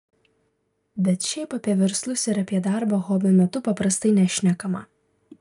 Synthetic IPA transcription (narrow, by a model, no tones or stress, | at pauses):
bʲɛt̪ʃʲɛɪpɐpʲiɛʋʲɛɾslˠʊsʲɪɾɐpʲiɛd̪ɑˑɾbɐɣɔːbʲɪmʲɛt̪ʊpɐpɾɐst̪ɐɪnʲɛʃʲnʲɛkɐmɐ